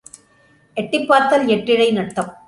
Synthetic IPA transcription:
ɛʈːɪpːaːt̪ːɐlɛʈːɪɽɐɪnɐʈːɐm

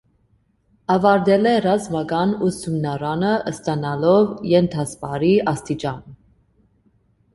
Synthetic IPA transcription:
ɑvɑɾd̪ɛlɛrɑzmɑɡɑnusumnɑɾɑnəʔəst̪ɑnɑlɔvjɛnt̪ʰɑspɑɾiʔɑst̪it͡ʃɑn

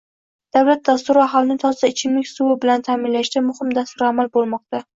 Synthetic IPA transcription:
d̪̥awlat̪̚d̪ast̪ʊɾɪaɦɒlˠnɪt̪ʰɒzd̪aɪt͡ʃʰɪmlɪkʲsuwɪbɪlant̪ʰaːmɪnlaʃd̪amʊhɪmd̪ast̪ʊɾamalbolˠmɒq̚t̪a

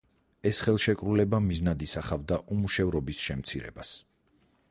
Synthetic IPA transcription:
ɛsχɛlˠʃɛkʼɾulɛbamiznad̪isaχavd̪aʔumuʃɛvɾɔbisʃɛmt̪sʰiɾɛ̰bas

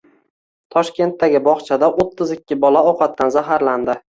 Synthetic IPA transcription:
t̪ʰɒʃkʲe̞nt̪ːaɡʲɪbɒχt͡ʃʰad̪aʔot̪ʰːɪzɪkʲːɪbɒlaɒqʰɑt̪ːanzaɦaɾland̪ɪ

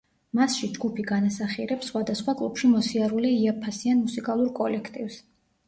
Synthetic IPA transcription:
masʃid͡ʒɡupʰiɡanasaχiɾɛpsːχwad̪asχwakʼlˠṵpʰʃimɔsiaɾuliiapʰasianmusikʼalˠuɾkʼɔlɛkʰt̪ʼivs

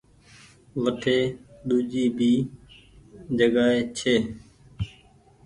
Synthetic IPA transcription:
ʋəʈʰeːɗuːd͡ʒiːbʱiː | d͡ʒəɡaːɦeːt͡ʃʰeː

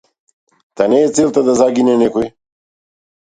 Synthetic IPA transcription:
t̪anɛːsɛlˠt̪ad̪azaɡinɛnɛkoj

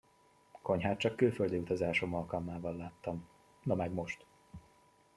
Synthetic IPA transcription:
ko̞ɲɦaːt̪̚t͡ʃɒkːøːføld̪iːut̪ɒzaːʃo̞mɒlkɒlmaːvɒlːaːt̪ːɒm | nɒmɛɡmo̞ʃt̪

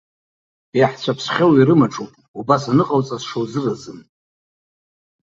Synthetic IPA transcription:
jaħt͡ɕʷʰapʰsχʲawiɾɨmaʈ͡ʂʼowpʼ | ubasanɨqʼawt͡sʼasʂowzɨrazɨm

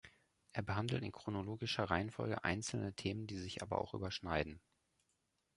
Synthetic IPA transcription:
ʔeːɐbəɦandl̩tɪ̰nkʁ̥onoloːɡɪʃɐʁaɪənfɔ̰lɡə̰ʔa̰ɪnt͡sl̩nətʰeːməndiːzɪçʔa̰ːbɐ̰ʔa̰ʊxʔy̰ːbɐʃnaɪdn̩

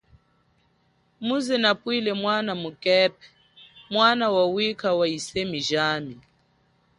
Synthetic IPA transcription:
muzɛnapʼwilɛmwanamukʼɛp̚ɛ̥ | mwanawawikʰawaisemiʒaːmi

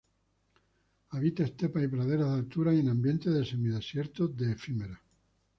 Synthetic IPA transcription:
aβit̪aest̪epaipɾaðeɾaðalt̪uɾaenãmbje̞nt̪eðesemiðesje̞ɾt̪oðeːfimeɾa

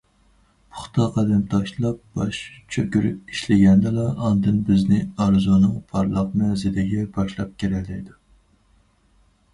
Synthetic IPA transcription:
pʰʊ̥χt̪ʰɑqʰɑd̪ɛmt̪ʰɑʃlˠɑp̚b̥ɑʃt͡ʃʰøkʲyɾy̰p̚iʃlɪɡʲɛnd̪ɨlˠɑɑnd̪ɨnbɪznɪɑɾzonɨŋpʰɑɾlˠəq̚mɛzɪd̪ɪɡʲɛbɑʃlˠɑp̚kʲʰeɾɛlːɛjd̪u

